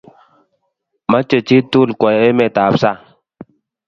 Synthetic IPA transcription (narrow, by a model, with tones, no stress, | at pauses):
ma˦t͡ʃə˨t͡ʃi˦tu˦˨lkɔ˨e˦mɛ˨ta˨psa˦˨